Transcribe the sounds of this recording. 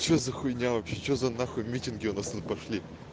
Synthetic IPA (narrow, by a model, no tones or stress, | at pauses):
t͡ɕozɐxʊnʲavɐpʲɕet͡ɕozɐnaxʊmʲitʲɪnɡʲɪunast̪ut̪̚pɐʂlʲi